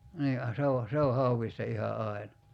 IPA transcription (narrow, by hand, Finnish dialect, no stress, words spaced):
niː ɑ se o se o hɑuwistɑ ihɑ ɑi̞nɑ